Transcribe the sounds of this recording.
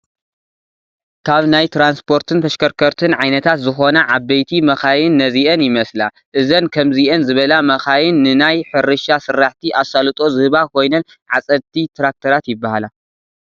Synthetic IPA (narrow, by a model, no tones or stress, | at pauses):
kʰaβnajt̪ʰɾanspʰo̞ɾt̪ʰɨnt̪ʰɐʃkɐɾkʰɐɾt̪ʰɨnʕajnɐt̪ʰat̪zɨxo̞nɐʕaβːɐjt̪ʰimɐxajɪnːɐziʔɐnjɪmɐsla | ʔɨzɐnkʰɐmziʔɐnzɨβɐlamɐxajɪnːɨnajħɨɾɨʃasɨɾːaħt̪ʰiʔasalɨt̪ʼo̞zɨhɨβakʰo̞jnɐn | ʕat͡sʼɐlt̪ʰit̪ʰɾak̚t̪ʰɐɾat̪jɪbːahala